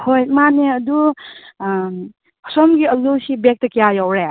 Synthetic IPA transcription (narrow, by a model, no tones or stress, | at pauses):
hojmaneɐdu | sɔmɡiəlusibek̚tɐkijajawɾe